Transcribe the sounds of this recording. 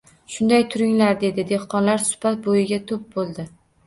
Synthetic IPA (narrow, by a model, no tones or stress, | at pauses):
ʃʊnd̪ajt̪ʰʊɾɪŋlaɾd̪e̞d̪ɪd̪e̞hqɒnlaɾsʊ̥bat̪̚bojɪɡʲat̪ʰʊp̚bolˠd̪ɪ